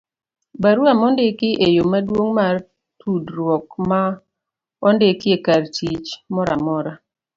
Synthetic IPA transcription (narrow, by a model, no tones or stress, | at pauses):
baɾuamɔndekɪʔejomadwoŋmar | tʰudɾwɔkma | ɔndekɪekartit͡ʃmɔɾʔamɔɾa